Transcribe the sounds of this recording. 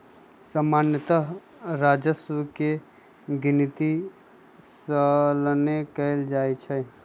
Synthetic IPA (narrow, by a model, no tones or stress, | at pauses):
səmaːnjət̪əɦ | ɾad͡ʒəsəke | ɡɪnit̪i | sələnekəeld͡ʒaːet͡ʃʰɛ